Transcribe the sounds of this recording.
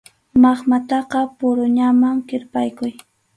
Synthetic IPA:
mɑχmat̪ɑqɑpʊɾʊɲamaŋkɪɾpajkʊj

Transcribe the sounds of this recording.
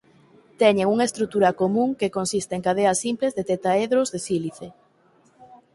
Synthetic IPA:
t̪ɛɲeŋuŋaest̪ɾut̪uɾɐkomũŋkekonsist̪eŋkaðeɐsːimplezðet̪et̪aeðɾozðesiliθe

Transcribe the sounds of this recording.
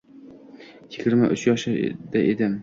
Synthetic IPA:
jɪɡʲɪɾma̰ʔʊt͡ʃjɒʃɪ̰d̪aʔed̪ɪm

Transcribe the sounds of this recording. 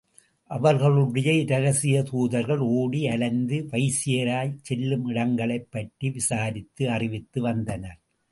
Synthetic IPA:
ʔɐʋɐɾɣɐɭɯɽɐjɐɪɾɐɣɐsɪjɐt̪uːðɐɾɣɐɭoːɽiɐlɐnd̪ɯʋɐɪsɪjɐɾaːjt͡ʃɛlːɯmɪɽɐŋɡɐɭɐɪpːɐʈːiʋɪsaːɾɪt̪ːɯɐrɪʋɪt̪ːɯʋɐnd̪ɐnɐɾ

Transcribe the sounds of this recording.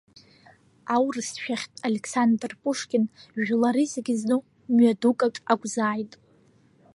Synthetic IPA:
awrɨsʃᶣaχʲtʼaleksandrpʼuʂkʲɪnʒlaɾizeɡʲɪznɨ | mɥadukʼakʼaɡʷʼzaːjtʼ

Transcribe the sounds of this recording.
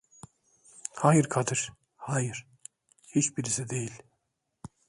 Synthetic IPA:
haːjiɾkʰad̪ɯɾ̥ | haːjɯɾ̥ | hit͡ʃbiɾisid̪e̞jilʲ

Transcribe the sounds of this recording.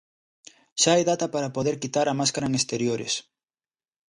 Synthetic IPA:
ʃaajðat̪ɐpaɾɐpoðeɾkit̪aɾɐmaskaɾaŋest̪eɾjoɾḛs

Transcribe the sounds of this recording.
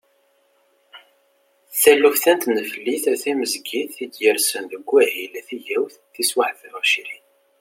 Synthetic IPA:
θælːufθænt̪nəfəlːiθæθæməzɡiθid̪jəɾsənðəɡʷːæhilæθijæwθθiswaʕθəɾɑʃiɾin

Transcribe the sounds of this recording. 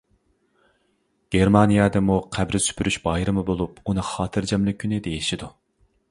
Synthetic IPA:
ɡ̥ʲeɾmɑnijɛd̪ɨmuqʰæbɾɪsy̥pʰyɾyʃbɑjɾɨmɨbolˠup̚unɨχɑːt̪ʰɨɾd͡ʒɛmlɪkʲʰynɪd̪ejiʃid̪u

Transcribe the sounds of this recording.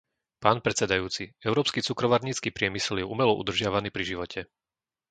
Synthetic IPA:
paːnpɾɛt͡sɛd̪ajuːt͡siɛʊɾɔːpskit͡sukɾɔʋaɾɲiːt͡skiːpɾɪɛmisɛljɛʔumɛlɔʔṵd̪r̩ʒɪaʋaniːpɾiʒiʋɔcʰɛ

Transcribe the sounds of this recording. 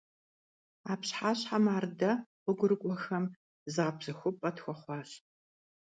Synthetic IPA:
aːpɕħaːɕħamaːrdɐqʷʊɡʷʊɾɨkʷʼɔxɐm | zɨʁɐpʰzɐxʷʊpʼɐtxʷɔχʷɑːɕ

